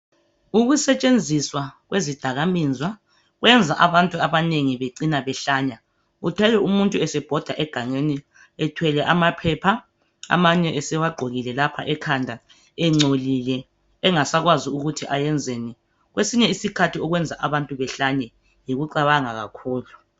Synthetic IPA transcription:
uɣusɛt͡ʃʼend͡zʱiswaɣwʔezid̥ʱaɣamiːnd͡zʱwa | ɣwʔɛnd͡zʱaʔaβantʼuaβaneŋiβeǀinaβɛɬaːɲa | utʰɛlɛumuntʼuɛsɛb̥ʱɔd̥ʱaʔɛɡ̥ʱaŋeni | ɛtʰwɛlɛʔamapʰɛpʰa | a̰maɲɛʔɛsɛwaɡ͡ǃʱoɣilɛlapʰa̰ʔɛkʰandʱa | ɛŋ͡ǀolilɛː | ŋasaɣwaziuɣutʰiʔajɛnd͡zʱeni | ɣwesiɲɛisikʰatʰiɔɣwɛnd͡zʱaʔaβantʼuβɛɬaɲɛ | jiɣuǀaβaŋaɣa̰kʰuːlu

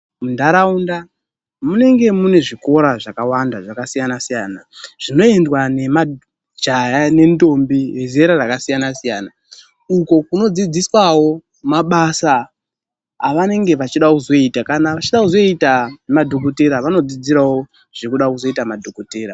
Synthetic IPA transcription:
mundaɾaunda | mune̞ŋɡe̞mune̞ʐiko̞ɾaʐakawandaʐakasijanasijaːnaʐ̥ino̞e̞ndwane̞ma | d͡ʒajane̞ndo̞mbijezeɾarakasijanasijaːna | uko̞kuno̞d͡zid͡ziswawo̞ | maɓasaː | ʋane̞ŋɡe̞ʋat͡ʃiɗakuzo̞itakanaʋat͡ʃiɗakuzo̞itanemadʱokote̞ɾaʋano̞d͡zid͡ziɾawo̞ | ʐ̥ekuɗakuzo̞itamadʱokoteːɾa

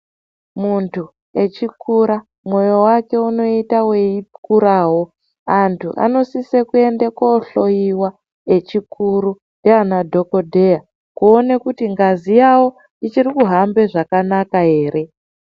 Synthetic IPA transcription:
muntʰu | e̞t͡ʃikuɾa | mwo̞jo̞wake̞uno̞itaweikuɾaːwo̞ | antʰuʔa̰no̞sisekue̞ndekoɬo̞jiwa | et͡ʃikʰuɾu | ndeanadʱo̞ko̞dʱe̞ja | kuonekutiŋɡazijawo̞ | it͡ʃiɾikuɦambe̞ʐakanakaɦe̞ːɾe̞

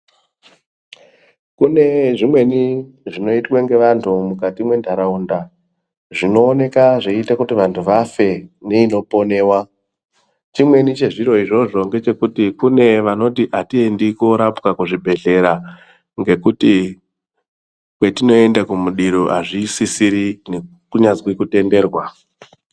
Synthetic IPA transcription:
kune̞ʐimwe̞ni | ʐino̞itweŋɡe̞ʋantʰumukatimwe̞ndʱaɾaunda | ʐino̞ːne̞kaʐeitakutiʋantʰuʋafe̞neino̞po̞ne̞ːwa | t͡ʃimwe̞nit͡ʃe̞ʐiɾo̞iʐo̞ʐo̞ŋɡe̞t͡ʃe̞kutikune̞ʋano̞tiʔatiendiko̞ɾapkakuʐibʱe̞ɮe̞ɾa | ŋɡe̞kuti | kwe̞tino̞e̞ndakumuɗiɾoʔaʐisisiɾine | kuɲazwikute̞nde̞ːrwa

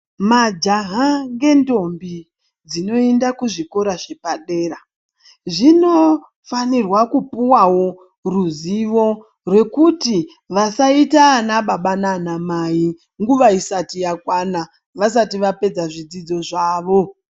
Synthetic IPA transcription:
mad͡ʒaɦaŋɡe̞ndo̞mbi | d͡zino̞endakuʐiko̞ɾaʃe̞paɗe̞ːra | ʐino̞ | fanirwakupuwawo̞ | ruziʋo̞ | rwe̞kuti | ʋasaitaːnaɓaɓananamai | ŋɡuʋaisatijakwana | ʋasatiʋape̞d͡zaʐid͡zid͡zo̞ʐaːʋo̞

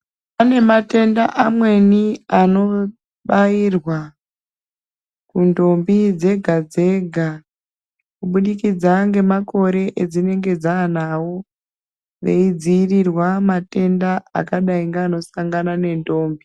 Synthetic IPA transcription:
pane̞mate̞ndaʔamwe̞niano̞ | ɓairwa | kundo̞mbid͡ze̞ɡʱad͡ze̞ɡʱa | kuɓuɗikid͡zaŋɡe̞mako̞ɾe̞ʔed͡zine̞ŋɡe̞d͡zanawo̞ | ʋḛid͡ziːrirwamate̞ndaa̰kaɗaiŋɡeːno̞saŋɡanane̞ndo̞ːmbi

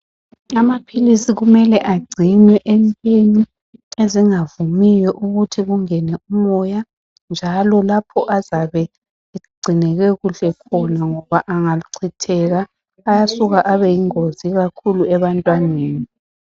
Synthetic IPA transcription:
amapʰilisiɣumɛlɛʔaɡ͡ǀʱinwɛʔɛmpʼeni | eziŋavumijɔʔuɣutʰiɣuŋɛnɛumɔja | nd͡ʒʱalɔlapʰɔʔazaβɛ | ɡ͡ǀʱinɛɣɛɣuɬɛkʰɔnaŋɔβaʔaŋaǀʰitʰɛɣaː | jasuɣaʔaβɛjiŋoziɣakʰuluɛβantʼwaneːni

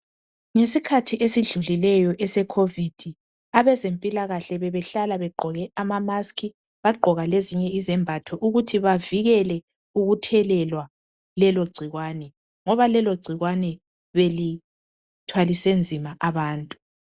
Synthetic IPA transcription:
ŋesikʰatʰiʔesiɮulilɛjɔʔɛsɛkʰovid̥ʱi | aβɛzempʼilaɣaɬɛβɛβɛɬalaβɛɡ͡ǃʱɔɣɛamamaskʰi | βaɡ͡ǃʱɔɣaleziɲɛizɛmbʱatʰɔʔuɣutʰiβaviɣɛlɛ | uɣutʰɛlɛlwa | lɛloɡ͡ǀʱiɣwanɛ | ŋɔβalɛloɡ͡ǀʱiɣwanɛ | βeli | tʰwalisend͡zʱimaʔaβaːntʼu̥

